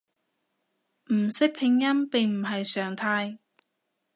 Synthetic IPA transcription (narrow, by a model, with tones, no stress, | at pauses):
m̩˨˩sɪ˥k̚pʰɪ˧ŋjɐ˥mpɪ˨˩ŋm̩˨˩ɦɐ˨jsœː˨˩ŋt̪ʰaː˧j